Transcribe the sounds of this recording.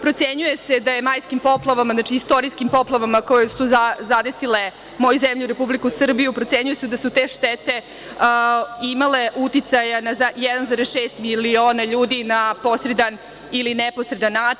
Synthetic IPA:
pɾo̞t̪seɲuje̞se̞d̪ajemajskimpo̞plˠaʋamaznaːt͡ʃiist̪o̞ɾiskimpo̞plˠaʋamako̞jesuazad̪e̞sile̞ | mo̞juzemʎuɾe̞publikusɨr̩bijupɾot̪se̞ɲujesud̪asut̪eʃt̪et̪e̞ | imale̞ʔut̪it̪sajanazajɛd̪anzaɾesʃeːst̪milio̞ːnaʎuːd̪inapo̞sɾe̞d̪an | ilinepo̞sɾe̞d̪anːaːt͡ʃi

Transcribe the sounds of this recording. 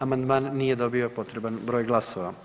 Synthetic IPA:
amand̪maːnːijed̪o̞biopo̞t̪ɾebanbɾo̞ːjɡlˠasoʋa

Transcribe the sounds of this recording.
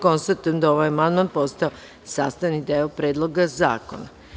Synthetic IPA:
ko̞nst̪at̪ujemd̪ao̞ʋajamand̪mant̪̚po̞st̪ao | sa̰ːst̪aʋnid̪eːopɾeːd̪lˠo̞ɡaza̰ːko̰na

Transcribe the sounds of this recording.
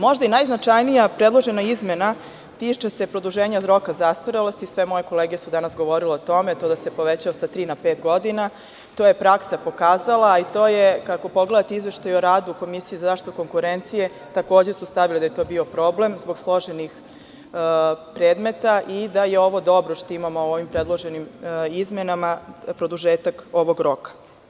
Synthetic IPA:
mo̞ʒd̪ainajznat͡ʂajnijapɾed̪lˠo̞ʒe̞naizmena | t̪iːt͡ʃese̞pɾo̞d̪uʒeːɲazɾo̞kazast̪ʋoɾelˠost̪isʋe̞mo̞je̞ko̞leːɡesud̪anasɡoʋo̞ɾileot̪o̞met̪o̞ːd̪ase̞po̞ʋet͡ɕaosat̪ɾiːnapeːt̪ɡo̞d̪ina | t̪o̞ːje̞pɾaksapo̞kaːzalˠait̪oːjekako̞po̞ɡle̞d̪at̪eizʋe̞ʃt̪ajoɾaːd̪uko̞misijizazaʃt̪it̪uko̞ŋkuɾent̪sije̞ | t̪ako̞ːd͡ʑesust̪aʋiled̪ajet̪o̞ːbio̞pɾo̞ble̞mzbo̞ɡslˠo̞ʒenix | pɾeːd̪me̞t̪aʔid̪aje̞o̞ʋo̞d̪o̞bɾoʃt̪oimamoooʋimpɾed̪lˠo̞ʒenimizmenamapɾo̞d̪uʒeːt̪ako̞ʋo̞ɡɾo̞kḁ

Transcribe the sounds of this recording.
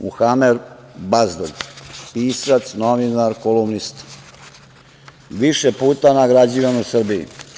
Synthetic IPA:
mṵxamed̪ | bazd̪o̰ɡpiːsat̪snoʋinaɾkolumnist̪ | ʋiʃepuːt̪anaɡɾad͡ʑiʋanusr̩biḭ

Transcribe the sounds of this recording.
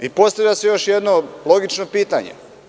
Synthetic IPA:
ipo̞st̪aʋʎasejo̞ʃjed̪no̞lˠo̞ɡit͡ʃno̞piːt̪aɲḛ

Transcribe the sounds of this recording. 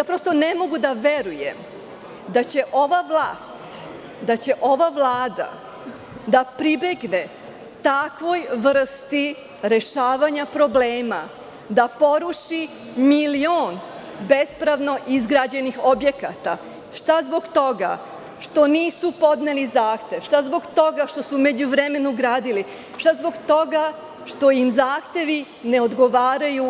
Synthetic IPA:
apɾo̞st̪o̞ne̞mo̞ɡud̪aʋe̞ɾujḛm | d̪at͡ɕe̞ʔo̞ʋaʋlˠaːst̪ | d̪at͡ɕe̞ʔo̞ʋaʋlˠaːd̪a̰ | d̪apɾibe̞ɡne | t̪akʋo̞jʋr̩st̪i | ɾe̞ʃaːʋaɲapɾo̞bleːma | d̪apo̞ɾuʃi | milioːn | be̞spɾaʋno̞ʔizɡɾad͡ʑe̞nixo̞bje̞ka̰t̪a̰ | ʃt̪azbo̞ɡt̪o̞ɡa̰ | ʃt̪o̞niːsupo̞d̪nelizaːxt̪e̞ʋʃt̪azbo̞ɡt̪o̞ɡaʃt̪o̞sume̞d͡ʑuʋɾe̞me̞nuɡɾaːd̪ili | ʃt̪azbo̞ɡt̪o̞ɡa | ʃt̪o̞imzaːxt̪e̞ʋi | ne̞o̞d̪ɡo̞ʋaːɾaju

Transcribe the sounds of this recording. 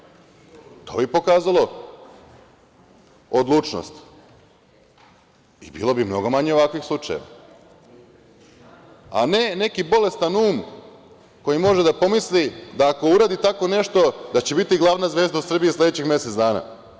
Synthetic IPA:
t̪o̞̰bipo̞kaːzalˠo̞ | od̪lˠuːt͡ʃno̰st̪ | ibḭlo̞bimno̞ɡo̞maɲeo̞ʋakʋixslˠut͡ʃa̰jḛʋa̰ | a̰ne̞ne̞kibo̞le̞st̪anuːm | ko̞jimo̞ʒed̪apo̞mislid̪aːko̞uɾaːd̪it̪ako̞ne̞ʃt̪o̞d̪at͡ɕe̞bit̪iɡlˠaːʋnazʋeːzd̪ausr̩biisled̪et͡ɕixmjeset̪d̪aːna̰

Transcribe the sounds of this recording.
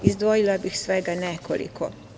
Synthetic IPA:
izd̪ʋojilabixsʋɛɡanɛkɔ̰lḭkʰɔ̰

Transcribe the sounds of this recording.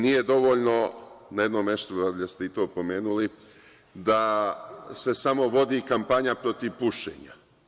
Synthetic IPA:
nijed̪o̞ʋo̞ʎno̞najed̪nomeʃt̪uʋaɾʎast̪eit̪o̞ːpo̞me̞ːnuli | d̪a | se̞samo̞ʋo̞d̪ikampaɲapɾo̞t̪iʋpuʃḛːɲa̰

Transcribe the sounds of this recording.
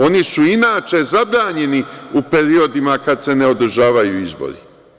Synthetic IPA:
o̞nisuinaːt͡ʃe̞zabɾaːɲe̞niupe̞ɾio̞d̪imakad̪se̞neo̞d̪r̩ʒaːʋajuizbo̰ɾḭ

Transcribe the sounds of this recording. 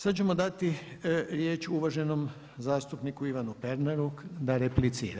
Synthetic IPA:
sad̪t͡ɕe̞mod̪at̪iɾjeːt͡ʃuʋaʒe̞no̞m | zaːst̪upnikuiʋanupeɾnaɾud̪aɾeplit̪siːɾa

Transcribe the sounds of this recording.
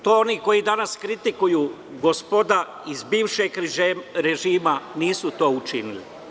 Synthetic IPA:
t̪ooniːko̞jid̪anaskɾit̪ikujuː | ɡospod̪a | izbiːʋʃeɡɾeʒiːmaniːsut̪o̞ːut͡ʃinḭlḭ

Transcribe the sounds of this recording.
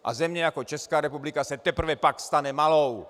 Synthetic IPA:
ʔa̰zɛmɲɛjakot͡ʃɛskaːɾɛpublikasɛt̪ɛpr̩vɛpakst̪anɛmalow

